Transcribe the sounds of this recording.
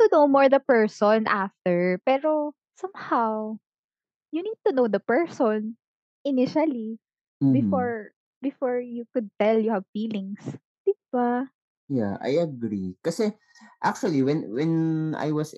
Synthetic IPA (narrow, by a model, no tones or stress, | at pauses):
t̪unowmɔɹd̪ɐpɛɹsɔnʔaft̪ɛɹpɛːɾo | sɐ̃mhaw | junid̪̚t̪unowd̪ɐpɛɹsɔn | ʔɪnɪʃɐli | bɪfɔɹ | bɪfɔɹjukʊd̪̚t̪ɛljuhavfiːlɪ̃ŋs | d̪ɪba | ja̰ʔa̰jɐɡɾikɐsɛ | ʔak̚t͡ʃuɐliwɛnwɛna̰jwɐs